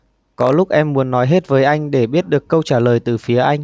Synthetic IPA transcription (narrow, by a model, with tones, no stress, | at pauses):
kɔ˨˦lʊ˦˥k͡p̚ʔɛ˧mːu˨˦ənːɔ˨˦jɦe˦˥t̚vəː˨˦jʔa˧jŋ̟ɗe˧˩ɓi˦˥ət̚ɗɨ˨˩əkːə˧wt͡ɕaː˧˩ləː˨˩jt̪ɨ˨˩fi˨˦əʔa˧jŋ̟